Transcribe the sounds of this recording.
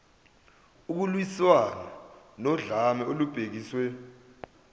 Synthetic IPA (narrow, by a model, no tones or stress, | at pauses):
uk̬ulwiswana | nɔɮamɛolub̥ʱek̬iːswɛ